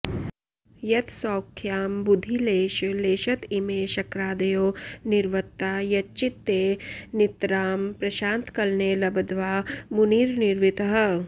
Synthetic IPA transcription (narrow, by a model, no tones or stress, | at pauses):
jɐt̪sɔːkʰːjaːmbud̪ʱːileːʃleːʃɐt̪imeːʃɐkɾaːd̪ɐjoːniɾʋɐt̪ːaːjɐt͡ʃit̪ːeːnit̪ɾaːmpɾɐʃaːnt̪kɐlneːlɐbɐd̪ʋaːmuniːɾniɾʋit̪ɐɦɐ